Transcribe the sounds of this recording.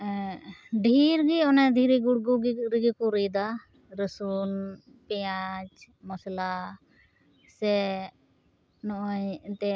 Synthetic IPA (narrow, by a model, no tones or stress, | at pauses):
ɖʱiɾɡiɔnɛd̪ʱiɾiɡuɽɡuɡiɾiɡikuɾid̪a | ɾəsun | pɛjat͡ʃ | mɔsla | sɛ | nɔʔɔjt̪ɛ